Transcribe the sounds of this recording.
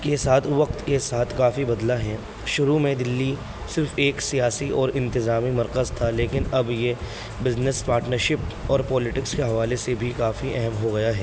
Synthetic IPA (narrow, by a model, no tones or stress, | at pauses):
kesaːt̪ʰʋɐqt̪kesaːt̪ʰkaːfibɐd̪laɦɛː | ʃʊɾumẽd̪ɪlːi | sɪɾfeːksijaːsiɔːɾɪ̃nt̪ɪzaːmimɐɾkəzt̪ʰaleːkɪnɐbje | bɪznɪspaːɾʈnəɾʃɪpɔːɾpɔːlɪʈɪkskeɦɐʋaːlesebʱikaːfiʔɛɦɛmɦoɡɐjaɦɛː